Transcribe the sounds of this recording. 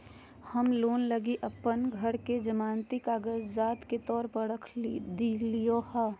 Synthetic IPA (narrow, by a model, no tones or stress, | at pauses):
həmloːnləɡiʔəpːənɡʱəɽked͡ʒəmaːnt̪ikaːɡəd͡ʒzaːt̪ket̪ɔːɾpəɽəkʰd̪ilijohɛː